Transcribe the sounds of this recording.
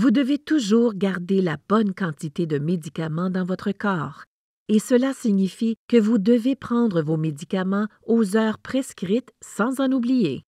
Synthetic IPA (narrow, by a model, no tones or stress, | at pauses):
vud̪əvet̪uʒuːʁɡaʁd̪elab̥ɔnkɑ̃t̪it̪ed̪əmed̪ikamɑ̃d̪ɑ̃vɔt̪χəkɑːʁ | esəlasiɲifikəvud̪əvepχɑ̃d̪ʁəvomed̪ikamɑ̃ozœːʁpχeskʁit̪sɑ̃zɑ̃nublije